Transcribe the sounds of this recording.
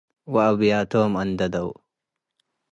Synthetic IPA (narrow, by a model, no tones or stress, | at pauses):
wɐɐbjaːt̪oːmɐnd̪ɐd̪ɐw